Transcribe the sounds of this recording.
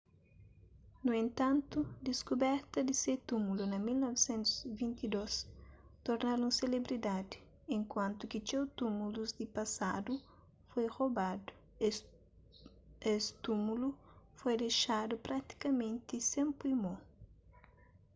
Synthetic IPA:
nuẽnt̪ãnt̪ud̪iskubɛɾt̪ɐd̪iset̪umulunɐmilnɔvesẽnt̪u̥zvĩnt̪id̪ost̪oɾnaɾũŋselebɾid̪ad̪i | ẽŋkwãnt̪ukit͡ʃewt̪umuluzd̪ipɐsad̪u | fojrobad̪u̥ | est̪umulufojd̪eʃad̪upɾat̪i̥kɐmẽnt̪isẽmpuimo

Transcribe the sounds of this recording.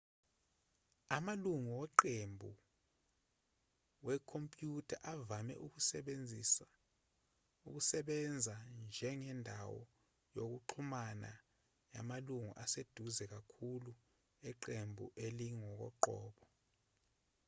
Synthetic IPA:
amaluŋuwɛǃembʱṵ | wɛkʰompʼjutʰaʔavamɛ̰ʔuk̬usɛɓend͡zʱis | ṵk̬usɛɓɛnd͡zʱand͡ʒʱɛŋɛndʱawɔ̰ | jok̬uǃʰumana̰ | ja̰maluŋṵʔased̥ʱuzɛk̬akʰulu | ɛǃembʱṵʔeliŋɔk̬ɔ̰ǃɔːɓɔ

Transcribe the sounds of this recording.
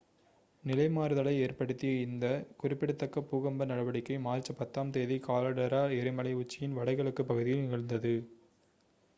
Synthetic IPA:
nɪlɐɪmaːɾɯðɐlɐɪeːrpɐɽɯt̪ːɪjɐɪnd̪ɐkʊrɪpːɪɽɐt̪ːɐkːɐpːuːɣɐmbɐnɐɽɐʋɐɽɪkːɐɪmaːɾt͡ʃːɐpɐt̪ːaːmt̪eːðikaːlɐɽɐɾaːɛɾɪmɐlɐɪʊt͡ʃːɪjɪnʋɐɽɐɪɣɐɭɯkːɯpːɐɣɯðɪjɪnɪɣɐɭnd̪ɐðɯ

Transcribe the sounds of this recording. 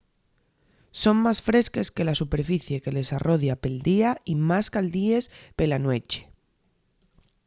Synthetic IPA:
so̞ŋmasfɾe̞ske̞ske̞lasupe̞ɾfiθje̞ke̞le̞sarʔo̞ðjape̞ld̪iaimaskald̪ie̞spe̞lanwe̞t͡ʃe̥

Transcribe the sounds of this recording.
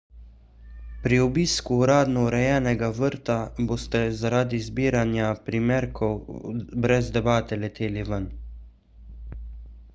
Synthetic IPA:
pɾiɔbiːskuːɾaːd̪nɔuɾɛjɛːnɛɡaʋəɾt̪aboːst̪ɛzaɾaːd̪izbiːɾanjapɾimɛːɾkʰɔwbɾɛzd̪ɛbaːt̪ɛlɛt̪ʰeːliʋən

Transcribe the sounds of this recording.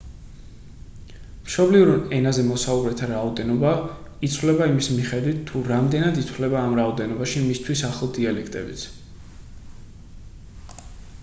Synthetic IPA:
mʃɔbliuɾɛnazɛmɔsaubɾɛt̪ʰaɾaɔd̪ɛnɔba | it̪sʰvlɛbaimismiχɛd̪wit̪ʰːuɾamd̪ɛnad̪it̪ʰwlɛbaːmɾaɔd̪ɛnɔbaʃimist̪ʰwisaχlˠd̪ialɛkʰt̪ʼɛ̰bit̪sʰ

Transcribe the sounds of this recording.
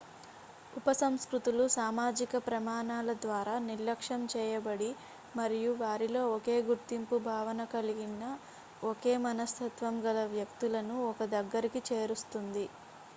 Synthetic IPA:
upɐsɐmskɾut̪ulusaːmaːd͡ʒikɐpɾɐmaːɳaːlɐd̪ʋaːɾaːniɾlɐkʂɐmt͡ʃɛːjɐbɐɽi | mɐɾijuʋaːɾilo̞ːɔke̞ːɡuɾt̪impubʱaːʋɐnɐkɐliɡinɐ | ɔke̞ːmɐnɐst̪ʰɐt̪ʋɐmɡɐlɐʋjɐkt̪ulɐnuɔkɐd̪ɐɡːɐɾikit͡ʃeːɾust̪und̪i

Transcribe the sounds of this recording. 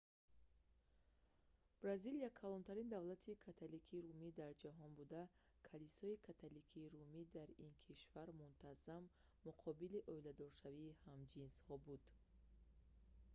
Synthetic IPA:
b̥ɾazilijakʰalɔnt̪ʰaɾind̪avlat̪ʰikʰat̪ʰalikʰiɾumid̪aɾd͡ʒaɦɔnbud̪a | kʰalisɔikʰat̪ʰalikʰiːɾumid̪aɾinkʰiʃvaɾmunt̪ʰazamː | uqʰɔbiliʔɔilad̪ɔɾʃaviːhamd͡ʒinshɔbud̪̥

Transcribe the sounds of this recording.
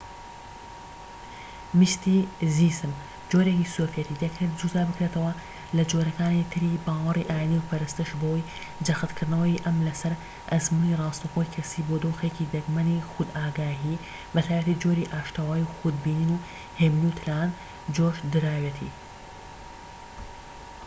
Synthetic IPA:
mɨʃt̪izisɨm | d͡ʒoːɾekisofijɐt̪id̪ekt̪ɨɾd͡ʒuːzaːbɨkɾet̪ʰɐwɐ | lɐd͡ʒoɾɐkaːnit̪ʰɨɾibaːwɐriʔaːjiniwpʰɐɾɨst̪ɨʃbowoj | d͡ʒɐxɨt̪kʰɨɾd̪nɐwɐʔɐmlɐsɐɾ | ʔɐzmunirɑːst̪ɐxojkʰɐsibod̪oːxecid̪ɐɡmɐnixʊd̪aːɡaːɦi | bɨt̪ʰaːjbɐt̪id͡ʒoɾiʔaːʃt̪awaːjuxud̪̚biːniːnu | heːmnut̪ʰɨlaːn | d͡ʒoːʃd̪ɨɾaːwet̪ʰḭ

